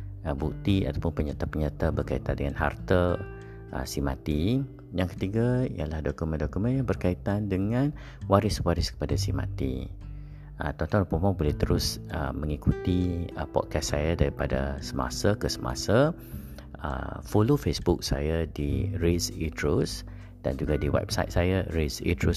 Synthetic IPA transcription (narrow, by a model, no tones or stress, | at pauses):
əbuk̚t̪ia̰t̪apʊnpəɲat̪apəɲat̪abərkait̪andəŋanɦa̰rt̪ə | ʔə̰sima̰t̪i | jaŋkə̥t̪iɡaḭjalahdɔkumə̃ndɔkumə̃njaŋbərkait̪andəŋãn | waɾɪswaɾɪskə̥padasima̰t̪ḭ | ət̪ɔnt̪ɔ̃nupomɔbulɛht̪əɾʊsə̰mə̃ŋikut̪iə̰pɔ̰t̚kɛssajadaɾipada̰səma̰sakəsəma̰sa | ə̰fulufesbʊk̚sa̰jadiɾisitɾus | d̥a̰nd͡ʒuɡadiwɛ̰p̚sa̰ɪt̪̚sajaɾisḭt̪ɾu